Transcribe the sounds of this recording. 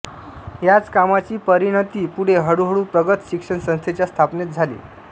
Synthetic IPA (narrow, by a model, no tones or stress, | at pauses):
jat͡skamat͡ɕiːpəɾiɽ̃ət̪iːpuɽ̤eɦəɽuɦəɽuːpɾəɡət̪ɕikʂəɳsə̃st̪ʰet͡ɕjast̪ʰapnet̪̚d͡zʱalḭː